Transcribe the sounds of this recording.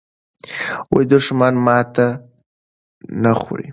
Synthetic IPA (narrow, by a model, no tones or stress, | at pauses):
wajd̪ʊʂmanmɑt̪a | naxṵɽḭ